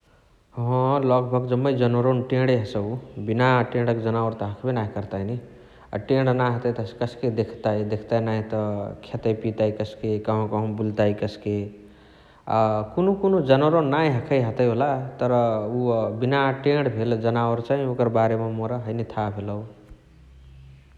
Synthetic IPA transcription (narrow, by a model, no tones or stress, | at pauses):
ɦʌ̃lʌɡbʱʌɡd͡ʒʌmːʌjd͡ʒʌnoɾonʈẽɽeɦəsʌwbinaʈẽɽʌkd͡zʌnawəɾt̪ʌɦəkʰbenaɦikʌɾt̪aini | a̰ʈẽɽnaɦət̪əjt̪ʌ̥kʌsked̪ekʰt̪ajd̪ekʰt̪ajnaĩt̪ʌkʰet̪əjpit̪ajkʌskekʌɦõkʌɦõbult̪ajkʌske | kunokunod͡zʌnoɾonːaj̃ɦʌkʰəjɦʌt̪ʌjɦolat̪ʌɾʌubinaʈẽɽbʱeld͡zʌnawɾt͡saĩokʌɾbaɾemamoɾaɦʌjnit̪ʰabʱelʌw